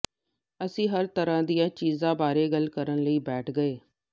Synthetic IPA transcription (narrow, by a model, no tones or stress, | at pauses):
əsĩːɦəɾt̪əɾãːd̪ijãːt͡ʃiːzãːbaːɾeːɡəlkəɾənləiːbɛːʈʰɡəeː